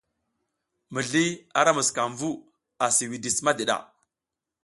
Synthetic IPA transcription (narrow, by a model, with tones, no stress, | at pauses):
mə˨ɮi˦a˦ɾa˦mu˨ska˨mvu˦ | a˨si˨wi˨di˨sma˦de˨ɗa̰˦˨